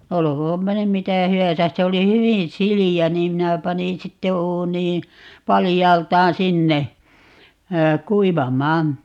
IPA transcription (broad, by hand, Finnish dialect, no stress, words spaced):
olokoːmpɑ nym mitæˑ hyæsæs se oli hywin siliæ niːm minæ pɑnin sitːe uːniː pɑlijɑːltˑɑːn sinːe kuiʋɑmˑɑːn